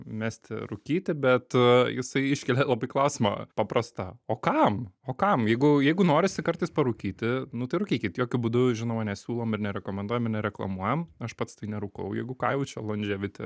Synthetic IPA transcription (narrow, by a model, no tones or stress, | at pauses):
mʲɛst̪ʲɪ̰ɾʊkʲiːt̪ʲɪbʲɛt̪jɪ̰sɐɪɪʃʲkʲɛlʲelˠɐbɐɪklˠɐʊsʲɪmɐ̰pɑpɾɐst̪ɐoːkɐmoːkɐmjɛɪɡʊjɛɪɡʊnoːɾʲɪsʲɪkɐrt̪ɐɪspɐɾʊkʲiːt̪ʲɪnʊt̪ɐɪɾʊkʲiːkʲɪt̪joːkʲʊbud̪ʊʒʲɪnoːmɐnʲɛsʲuːlˠoːmɪrnʲɛɾʲɛkoːmʲɛnd̪uɔjɛmɪɾnʲɛɾʲɛklˠɐ̰muɔjɛmɐʃpɐt̪st̪ɐɪnʲɛɾʊkɐʊjɛ̰ɪɡʊkɑːɪʋʊt͡ʃʲɛlˠonʲd͡ʒʲɛʋʲɪt̪ʲɛ̰